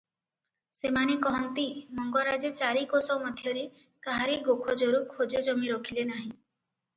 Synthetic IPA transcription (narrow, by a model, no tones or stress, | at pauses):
semanekɔɦɔnt̪imɔŋɡɔɾad͡ʒet͡ʃaɾikosɔmɔd̪ʱjɔɾi | kaɦaɾiɡokʰɔd͡ʒɔɾukʰod͡ʒed͡ʒɔmiɾɔkʰilenaɦĩ